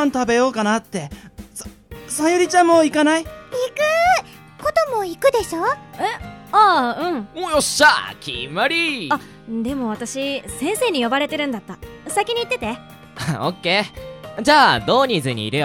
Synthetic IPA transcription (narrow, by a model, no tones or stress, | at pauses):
ãnt̪abe̞jo̞ːkanat̪ːe̞ | sajoɾʲit͡ɕãmmo̞ːikanaiikɯ̟ | ko̞t̪o̞mo̞ikɯ̟d̪e̞ɕo̞ːeaɯ̟̃ɴõjoɕa̰kʲʰḭmaɾʲia | d̪e̞mo̞β̞at̪aɕisẽ̞ɰ̃se̞ːɲ̟ijo̞baɾe̞t̪e̞ɾɯ̟̃nd̪at̪ːasakʲiɲ̟iːt̪ːe̞t̪e̞ | aokːe̞ːd͡ʑaːd̪o̞ːɲ̟izɨɲ̟ḭːɾɯjo